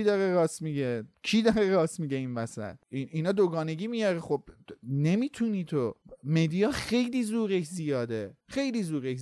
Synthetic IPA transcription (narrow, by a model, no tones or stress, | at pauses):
id̪ɒːɾeɾɒːst̪miɟekʰiːd̪ɒɾeɾɒːst̪miːɟeiːnmæsæ̰lininɒːd̪oɡɒːne̞ɡiːmijɒɾeχob̚ne̞miːt̪ʰuniːt̪ʰome̞d̪ijɒːxe̞jliːzuːɾekʰzijɒːd̪exe̞jliːzuːɾek